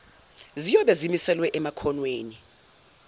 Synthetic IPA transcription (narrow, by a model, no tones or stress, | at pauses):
zijɔɓɛzimisɛlwɛʔɛmakʰɔnweːni